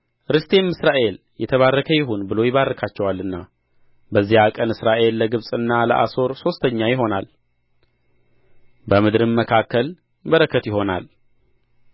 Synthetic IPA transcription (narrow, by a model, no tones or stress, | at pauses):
ɾɨst̪ʰe̞mɨsɾaʔe̞l | jɛt̪ʰəβarːəkʰəjɪɦunbɨlo̞jɪβarːəkʰat͡ʃːɛwalːɨnːa | bəzːihakʼənɨsɾaʔe̞lːəɡɨβsʼɨnːalə̰ʔa̰so̞ɾso̞st̪ʰəɲːajɪɦo̞nal | bəmɨd̪ɾɨmməkʰakːəl | bəɾəkʰːət̪jɪɦo̞na̰l